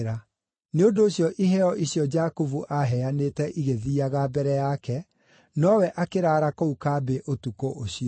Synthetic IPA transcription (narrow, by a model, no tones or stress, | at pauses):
ɾa | neodoːɕjɔʔiɦɛɔʔiɕjɔd͡ʒakovuʔaɦɛanetɛʔiɣeðiːaɣabɛɾɛjakɛ | nɔwɛʔakeɾaːɾakoukaːbeʔotukoʔoɕiɔ